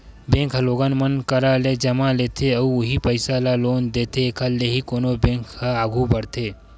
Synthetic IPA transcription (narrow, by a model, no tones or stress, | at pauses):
bẽːŋkʰɦloːɡanmənkɐɾaled͡ʒɐmaleːt̪ʰeɐuʊɦipəɪsalaloːnd̪eːt̪ʰekʰalːeɦikoːnobẽːŋkhaaːɡʱũbɐɽt̪ʰeː